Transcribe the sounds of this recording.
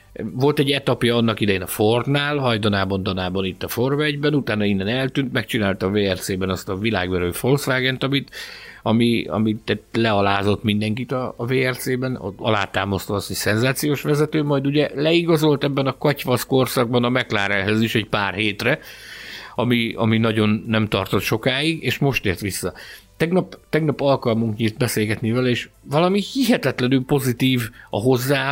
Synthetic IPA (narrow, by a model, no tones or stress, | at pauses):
vo̞lt̪ɛɟːɛt̪ɒpjɒɒnːɒkid̪ɛjeːnɒford̪naːlɦɒjd̪onaːbɒnd̪ɒnaːbɒnit̪ːɒforvɛɟbɛnut̪aːnɒinːɛnɛlt̪ynt̪mɛk̚t͡ʃinaːlt̪ɒveːɛrt̪seːbɛnɒst̪ɒvila̰ːɡbɛɾøːfo̞lsʋaːɡɛnt̪ɒmit̪ɒmiɒ̰mit̪ːɛt̪lɛɒlaːzo̞t̪mind̪ɛŋkit̪ɒːveːɛrt̪seːbɛn̰ɒ̰laːt̪aːmɒst̪ɒɒst̪hocsɛnzaːt̪sijoːʃʋɛzɛt̪øːmɒjd̪uɟɛlɛiɡɒzo̞lt̪ɛbːɛnɒkɒcʋɒsko̞rsɒɡ̚bɒnɒmɛklaːɾɛlɦɛziʃɛɟpaːrɦeːt̪rɛ | ɒmiɒ̰minɒɟo̞nːɛmt̪ɒrt̪o̞t̪ʃo̞kaːiɡeːʃmo̞ʃt̪eːrt̪ʋisːɒt̪ɛɡnɒpt̪ɛɡnɒpɒlkɒlmuŋkɲiːrt̪̚bɛseːlɡɛt̪nivɛlɛeːʃvɒlɒmihiɦɛt̪ɛt̪lɛnylpo̞zit̪iːvɒ̰ɦo̞zːaː